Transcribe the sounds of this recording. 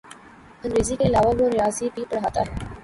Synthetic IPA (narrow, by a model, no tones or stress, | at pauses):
ə̃ndɾeːzikeɪlaːʋaboːɾɪjaːzibiːpəɽɦaːt̪a̰ːɦɛː